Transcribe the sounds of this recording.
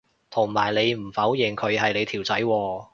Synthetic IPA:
t̪ʰʊ˨˩ŋmaː˨˩jle˨˧jm̩˨˩fɐ˨˥wjɪ˨ŋkʰɵ˨˧ɥɦɐ˨jle˨˧jt̪ʰiː˨˩wt͡sɐ˨˥jwɔː˧

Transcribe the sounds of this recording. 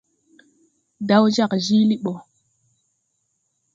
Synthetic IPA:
da˦wd͡ʒa˦˨kʒi˦li˦ɓo˨

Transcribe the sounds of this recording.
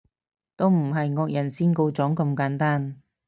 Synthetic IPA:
t̪o˥wm̩˨˩ɦɐ˨jŋɔː˧k̚jɐ˨˩nsiː˥nko˧wt͡sɔː˨˥ŋkɐ˧mkaː˨˥nt̪aː˥n

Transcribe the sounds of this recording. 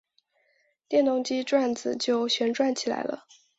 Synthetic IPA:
t̪jɛ˥˩nt̪ʊ˥˧ŋt͡ɕi˥ʈ͡ʂwa˥˩nd͡zɹ̩˨˩t͡ɕjo˥˧ʊɕɥɛ˧˥nʈ͡ʂwa˥˩nt͡ɕʰi˨˩la̰˧˥ɪlə̰˧

